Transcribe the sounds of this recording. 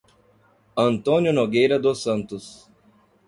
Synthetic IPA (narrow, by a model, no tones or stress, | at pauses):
ɐnt̪onʲʊnoɡʲɛjɾʲɐd̪osɐnt̪ʊs